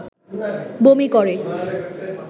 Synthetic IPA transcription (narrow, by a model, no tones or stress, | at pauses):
bomikɔɾe